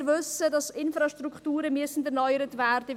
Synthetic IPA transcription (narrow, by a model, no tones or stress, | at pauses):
ʋʏsədɑsɪnfɾɑʃtruktuːɾəmyəsn̩dɛɾnɔʏəɾətvɛːɾd̥ə